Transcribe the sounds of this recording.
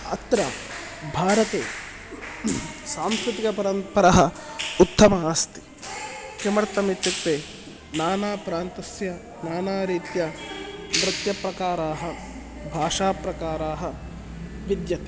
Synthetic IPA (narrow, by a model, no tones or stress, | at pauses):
ɐ̰t̪ɾɐ | bʱaːɾɐt̪ḛː | saːmskɾut̪ikɐpɐɾɐnt̪pɐɾɐɦɐut̪ːɐmɐaːst̪i̥ | kemɐɾɐt̪ːɐmit̪ːit̪ːeː | naːnaːpɾaːnt̪ɐsjɐ | naːnaːɾiːt̪jɐʋɾɪt̪jɐpɾɐkaːɾaːɦɐ | bʱaːʂaːpɾɐkaːɾaːɦɐ | ʋid̪jɐt̪e